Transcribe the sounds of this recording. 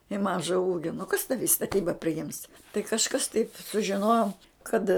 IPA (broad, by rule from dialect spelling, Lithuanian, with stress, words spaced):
ɪ ˈmɑːʒɐ ˈuːɡʲoː nʊ kɐs tɐʋʲɪ ɪ stɐˈtʲiːbɐ pʲrʲɪˈjɪms tɐɪ kɐʃˈkɐs tɐɪp sʊʒʲɪˈnoːjoːm ˈkɐt